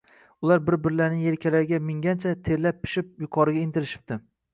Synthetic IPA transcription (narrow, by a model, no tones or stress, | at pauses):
ʊlˠaɾbɪɾbɪɾlaɾnɪŋe̞ɾkʲʰalaɾɪɡʲamɪŋɡʲant͡ʃʰat̪ʰe̞ɾlːapʰːɪ̥ʃɪp̚jʊqʰɒɾɪɡʲaɪnt̪ʰɪɾɪʃɪ̥p̚t̪ɪ